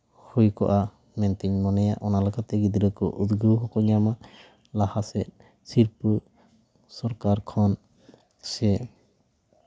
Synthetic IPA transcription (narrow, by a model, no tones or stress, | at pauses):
hujkɔʔa | mɛnt̪iɲmɔnɛja̰ʔɔnalɔkat̪ɛɡid̪ɾəkɔʔud̪ɡuwɦɔkɔɲama | lahasɛʔ̪̚ | siɾpu | sɔɾkaɾkʰɔn | sɛ